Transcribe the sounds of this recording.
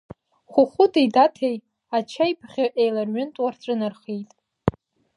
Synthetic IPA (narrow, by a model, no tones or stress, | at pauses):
χʷʊχʷʊtʰʼejdatʰej | at͡ʃʰajpʰχʲaʔejlarɥʊntʼwarʈ͡ʂʷʼɨnarχejtʼ